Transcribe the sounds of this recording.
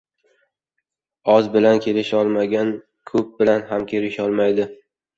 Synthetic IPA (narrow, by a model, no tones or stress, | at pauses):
ɒzbɪlankʲʰe̞lɪʃɒlˠmaɡʲan | kʰɵp̚bɪlanɦamkʲʰelɪʃɒlˠmajd̪ɪ